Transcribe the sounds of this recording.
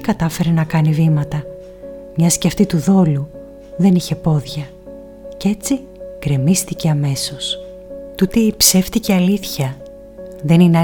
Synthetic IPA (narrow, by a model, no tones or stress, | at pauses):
kɐt̪ɐfe̞ɾe̞nɐkɐnivimɐt̪ɐ | mɲɐsceɐft̪it̪uðo̞lu | ðe̞niçe̞po̞ðʝɐ | ce̞t͡si | kɾe̞mist̪ice̞ɐme̞so̞s | t̪ut̪eipse̞ft̪iceɐliθçɐ | ðe̞nine